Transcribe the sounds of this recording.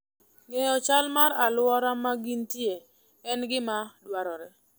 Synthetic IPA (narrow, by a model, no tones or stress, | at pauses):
ŋejɔt͡ʃalmaɾalwɔɾamaɡintje | ɛnɡɪmadwaɾɔɾɛ